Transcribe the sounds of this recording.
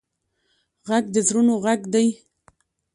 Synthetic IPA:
ɣaɡ̚d̪əzɾunoɣaɡd̪aj

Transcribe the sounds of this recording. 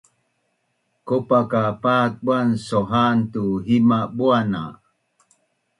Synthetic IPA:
kopakapat̚buansoɦant̪uɦimabuana̰

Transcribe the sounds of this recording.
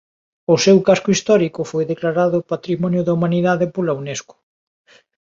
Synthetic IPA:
ʊsewkaskʊist̪ɔɾikʊfojðeklaɾaðʊpat̪ɾimɔnjʊðɐumaniðaðepolauneskʊ̥

